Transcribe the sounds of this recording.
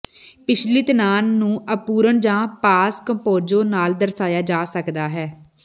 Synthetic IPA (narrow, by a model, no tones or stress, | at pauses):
pɪt͡ʃʰliːt̪ənaːnːũːʔəpuːɾənd͡ʒãːpaːskəmpoːd͡ʒõːnaːld̪əɾsaːjaːd͡ʒaːsəkd̪aːɦɛː